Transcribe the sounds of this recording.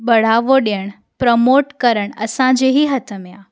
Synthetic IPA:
ɓəɽ̤aʋoɗjəɽ̃ | pɾəmoʈkəɾəɳ̃ə̰sãd͡ʒeɦiɦət̪əmjã

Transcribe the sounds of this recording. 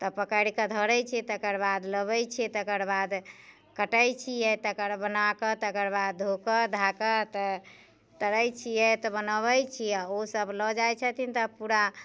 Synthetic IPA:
t̪ɔpəkəɾikəd̪ʱəɾəjt͡ʃʰɛt̪əkəɾbad̪ləβəjt͡ʃʰɛt̪əkəɾbad̪ | kəʈəjt͡ʃʰijɛt̪əkəɾbənakət̪əkəɾbad̪̚d̪ʱokəd̪ʱakət̪ə | t̪əɾəjt͡ʃʰijɛt̪ɔbənəβəjt͡ʃʰiaosəblɔd͡ʒajt͡ʃʰət̪int̪ɔpuɾa

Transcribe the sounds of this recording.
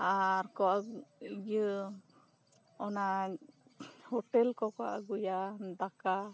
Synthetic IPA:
aɾkɔʔaɡə | ɔna | hɔʈɛlkɔkɔʔa̰ɡujad̪aka

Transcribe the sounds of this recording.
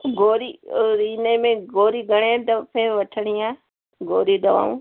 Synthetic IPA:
ɡoːɾiɾiːnemẽɡoːɾiɡɐɽ̃et̪ɐpʰɪɾʋɐʈʰəɽ̃ia | ɡoːɾiɗ̪ɐʋa̰ːṵ̃ː

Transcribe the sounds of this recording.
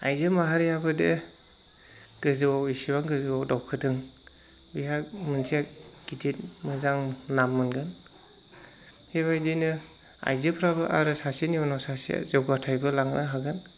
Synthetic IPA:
a̰jzɯmaɦaɾijabɯde | ɡ̥ɯzɯwawisibaŋɡɯzɯwawdawkʰɯdɯŋ | bijak̚mɯnsʰiakɡ̥idit̚mɯzaŋnamːɯnɡɯn | heβajdinɯ | a̰jzɯpʰɾabɯʔa̰ɾɯsasinijawnasasḭzɯwɡatʰajbɯlaŋnʔaɦaɡɯn

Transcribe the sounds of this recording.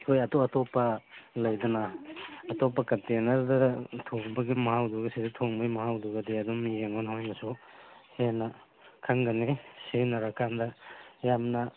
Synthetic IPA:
kʰojɐtoɐtopːɐlɐjdɐnɐːtop̬ːɐkɐntenɐɾdɐtʰoŋbɐɡimɐɦawduɡɐsiditʰoŋbɐjmɐɦawduɡɐdiɐdumijeŋɔnhojmɐsuhenɐ | kʰɐŋɡɐnesenɐɾakʰandɐjamnɐ

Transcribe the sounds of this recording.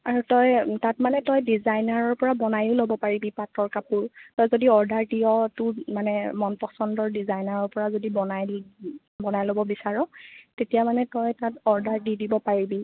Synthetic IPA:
aɹutɔjtatmanɛtɔjdizajnaɹɔɹpɔɹabɔnajʊlobɔpaɹibipatːɔɹkapuɹtɔjzodiɔɹdaɹdiɔtʊmanɛmɔnpɔsɔndɔɹdizajnaɹɔɹpɔɹazodibɔnaj | bɔnajlobɔbisaɹɔtetijamanɛtɔjtatɔɹdaɹdidibɔpaɹibi

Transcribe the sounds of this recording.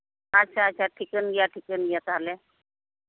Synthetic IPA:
aɕʰaɕaʈʰikənɡjaʈʰikənɡjat̪ale

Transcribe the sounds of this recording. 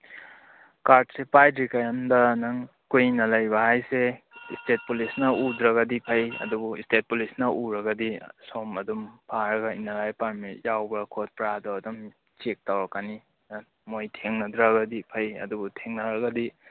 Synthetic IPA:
kaɾd̚sepajdɾikajamdɐnɐŋ | kujinɐlɐjbɐhajse | istet̚pulisnɐudɾɐɡɐdipʰɐjɐ̰dubuistet̚pulisnɐʔuɾɐɡɐdisomɐdumpʰaɾɐɡɐinːɐlajpaɾmijawbɐkʰot̚pɾadɔɐdum | t͡ʃek̚tawɾɐkani | mojtʰeŋnɐdɾaɡɐdipʰɐjɐ̰dubutʰeŋnɐɾɐɡɐdi

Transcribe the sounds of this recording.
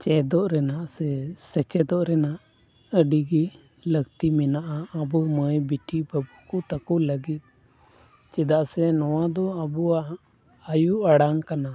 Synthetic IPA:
t͡ʃɛd̪ɔʔɾɛnaʔsɛsɛt͡ʃɛd̪ɔʔɾɛnaʔ | əɖiɡi | ləɡt̪imɛnaʔaːbuməjbiʈibəbukut̪əkuləɡit̪̚ | t͡ʃɛd̪aʔsɛnɔwad̪ɔabuaʔ | ajuʔaɽaŋkana

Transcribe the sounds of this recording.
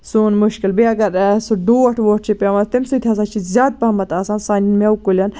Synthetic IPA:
suːnmuʃkilbiɐɡɐɾsuɖoːɐʈʰʋoːʈ̚ʰt͡ʃʰipʲeːʋant̪imsut̪ʰʲaːsat͡ʃʰizʲaːd̪̚pɐmɐt̪aːsaːnsaːnʲinmewkulʲɐn

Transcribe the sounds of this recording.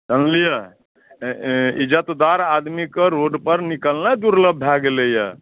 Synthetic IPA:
tənlijə | id͡ʒət̪d̪aɾad̪mikeɾoɖpəɾnikəlnad̪uɾləbʱːaɡelejə

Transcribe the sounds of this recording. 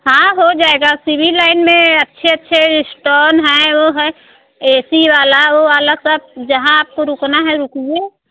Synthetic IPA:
hãːɦod͡ʒaːeːɡasibʱilaːɪnmẽɐtːʃʰeətːʃʰesʈoːnɦɛ̃ʋoɦɛ | eːsiʋaːlaoʋaːlasəb̚d͡ʒɐɦãaːp̚koɾʊknaɦɛɾukid͡ʒe

